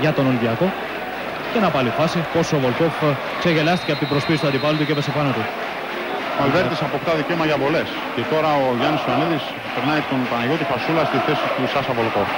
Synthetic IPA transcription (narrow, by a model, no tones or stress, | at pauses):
ʝɐt̪o̞nolðiɐko̞ | ce̞nɐpɐlifɐsipo̞sovo̞lkof | kse̞ʝe̞lɐst̪iceɐpot̪ibɾo̞spist̪uɐd̪ipɐlut̪uceepesepɐnot̪i | molveɾt̪isɐpokt̪ɐðiceomɐɐʝɐpo̞les | cet̪o̞ɾɐoʝɐnisojaniðis | peɾnɐit̪o̞npɐnɐjo̞t̪ifasulɐst̪iθe̞sist̪usɐsɐvolkof